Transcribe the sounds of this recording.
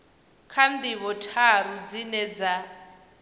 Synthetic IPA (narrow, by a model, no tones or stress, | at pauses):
kʰandiβɔtʰaɾud͡zinɛd͡za